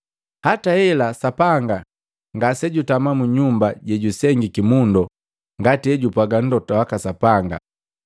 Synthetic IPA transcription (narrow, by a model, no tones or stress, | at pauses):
hatahɛlasapaŋɡa | ŋɡasɛɟutamamuɲumbaɟɛɟusɛŋɡikimundɔ | ŋɡatiɛɟupaɡan̩dɔtawakasapaŋɡa̰